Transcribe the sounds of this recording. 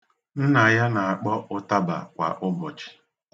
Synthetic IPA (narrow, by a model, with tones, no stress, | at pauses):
n̩˦na˨ja˦na˨a˨k͡pɔ˦ʔʊ˦ta˦ba̰˨kʷa̰˨ʔʊ˦bɔ˨t͡ʃi̥˨